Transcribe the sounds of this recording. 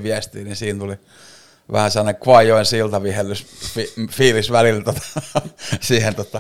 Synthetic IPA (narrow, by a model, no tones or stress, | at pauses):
ʋiæst̪iːnisiːnt̪uli | ʋæ̰hæselːɑnekʋɑjˑoinsilt̪ɑʋihelːysfifiːlisʋælilt̪ot̪ɑ̥ | siːhent̪ot̪ːɑ